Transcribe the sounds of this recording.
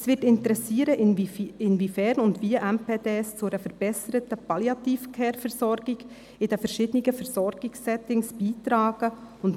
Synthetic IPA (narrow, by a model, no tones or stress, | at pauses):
ɛsvɪtɪntəɾɛsiːəɾəʔɪnvifɛːɾnʊndviʔɛmpʰeːdeːst͡sʊɾəfɛɾb̥ɛsəɾətəpɑljɑt̪iːfkʰɛːɾfɛɾsɔɾɡɪɡ | ɪdɛfɛɾʃɪːdənɪɡəfɛɾsɔɾɡ̥ɪksːɛtɪŋsb̥iːtɾaːɡ̥əʊnt